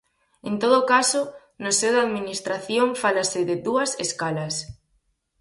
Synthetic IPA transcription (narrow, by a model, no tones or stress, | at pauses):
ent̪oðʊkaso | nosewðaðminist̪ɾaθjoɱfalasɪðɪðuɐseskalas